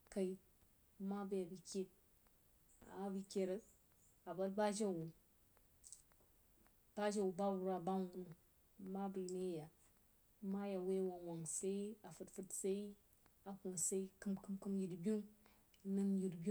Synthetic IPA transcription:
ka˨i˨ | ma˦ba˦ja˨bi˨kʲe˦t̚ | a̰˨a˦bi˨kʲe˨ɾə˦ | a˨ba˦lba˦d͡ʒa˦wu˨ | b̥a˦d͡ʒa˨wu˨ba˦bu˨ɾa˨ba˦ŋu˨nu˨ | ma˦bi˨ne˦ja˨ | ma˦ja˨we˦wa˨ŋwa˨ŋsa˦i˦a˨fɨ˨tfɨ˦tsa˦i˦ | a˨ko˨sa˦i˦kɨ˦mkɨ˦mkɨ˦mji˨ɾbi˦u˦ŋ | nɨ˦nji˨ɾbi˦u˦

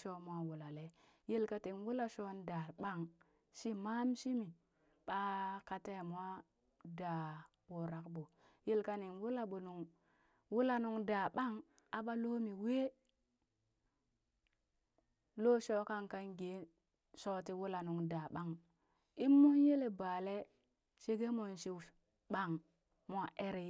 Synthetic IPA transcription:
ʃo˦mwa˦wu˨la˨le˨ | ji˦lka˦ti˨nwu˦la˦ʃo˦nda˨ɓa˦˨ŋ | ʃi˦ma˦mʃi˦mi˨ | ɓa˦ka˨te˦˨m˦wa˦ | da˨ | wu˨ɾa˨kbo˨ | ji˦lka˦ni˨nwu˦la˦ɓu˨nu˨ŋ | wu˦la˨nu˨ŋda˨ɓa˦ŋ | a˨ɓa˦lo˦mi˨we˦ | lo˦ʃo˦ka˦ŋka˦nɡe˨˦ | ʃo˦ti˦wu˦la˨nu˨ŋda˨ɓa˦ŋ | i˦mːu˦nje˦le˨ba˨le˦ | ʃe˦ɡe˦mo˨nʃi˦˨ | ɓa˦˨ŋ | mʷ˦a˦ʔe˦ɾe˨˦

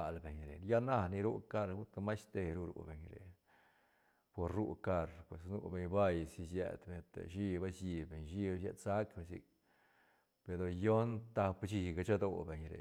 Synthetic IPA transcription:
a˨lbe˨ɲɾe˨n˧ja˦na˦ni˧ɾu˦ka˧ɾu˦t̪a˧ma˦jst̪e˧ɾu˧ɾṵ˧be˨ɲɾḛ˨ | po˧ɾɾṵ˦ka˧ɾpwe˨snṵ˦˧be˧ɲba˦˧jsi˧sjḛ˧d̪be˧ɲ˧t̪ḛ˨ʃi˦ba˦sji˧be˨ɲʃi˦bʃjḛ˧sa˦kbe˧sḭ˧k̚ | pe˧ɾo˧jo˦nt̪a˧pt͡ʃi˧ɡa˧t͡ʃa˦d̪o˧be˨˧ɲɾḛ˨

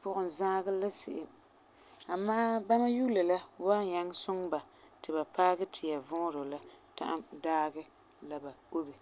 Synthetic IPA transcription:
pʊ˨ʔʊ˨n˨zaː˦ɡɨ˦la˦sɪ˦˨ʔɪ˨ | a˨maː˦ba˦na˦ju˦la˨la˦waː˦ɲa˦ŋsʊ˦ŋba˨ | tɪ˨ba˨paː˦ɡɨ˦tʰɪ˨ja˨vʊ˦ɾo˨la˦ta̰˦ʔa˦mdaː˦ɡɛ˦ | la˨ba˨o˦bi˨

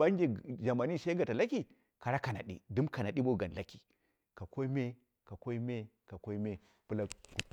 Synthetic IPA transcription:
a˦ŋd͡ʒe˨ʒa˨ma˨ni˦˨sa˦ɡa˨ta˨la˦ki˨ | ka˨ɾa˦ka˨na̰˨ɗḭ˦du˦mka˨na˨ɗi˦bo˦˨ɡa˨n˨la˦ki̥˨ | ka˨ko˦i˦me˦ | ka˨ko˦i˦me˦ | ka˨ko˦i˦me˦ | pu˦la˦ku˨

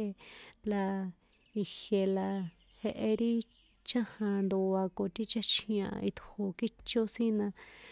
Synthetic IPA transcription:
la˧ | i˧he˧la˧ | he˧ʔe˧ɾi˦ | t͡ʃã˦hã˧nd̪o˧a˧ko˧˨t̪i˦t͡ʃa˦t͡ʃʰĩ˧ã̰˧i˧t̪u˨ho˧ki˦t͡ʃo˦sĩ˦nã˧

